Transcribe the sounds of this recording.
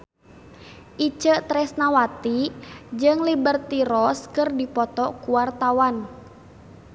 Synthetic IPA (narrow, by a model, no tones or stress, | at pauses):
ʔit͡ʃət̪ɾɛsnawat̪id͡ʒɨŋlibərt̪iɾɔskɨrdipɔt̪ɔkuwart̪awan